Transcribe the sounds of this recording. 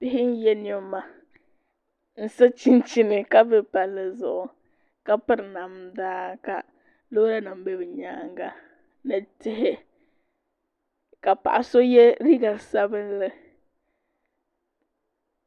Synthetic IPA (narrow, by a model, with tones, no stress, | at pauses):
dɪ˦ɦɪ˦n̩˦jɛ˦n˦ɛ˦ma˨ | n̩˦sa˦t͡ʃi˦n˦t͡ʃi˦nɨ˨ka˦bɨ˦pa˨lːɨ˨zʊ̰˨ʔʊ˨ | ka˦pɨ˦ɾna˨mdaː˦ka˨ | lo˦ɾa˦na˨m˦bɛ˦bɪ˨ɲaː˦ŋ˦ɡa˦ | nɨ˨tɪ˦ɦɪ˦ | ka˨pa̰˨ʔa˨so˦jɛ˦ɾi˦ɡa˨sa˦bɨ˦nlɨ˦